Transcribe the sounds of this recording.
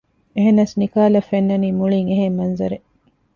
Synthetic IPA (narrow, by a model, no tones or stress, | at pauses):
eɦenːɐsnikaːlɐfːenːɐniːmuɭiŋeɦeŋmɐnzɐɾe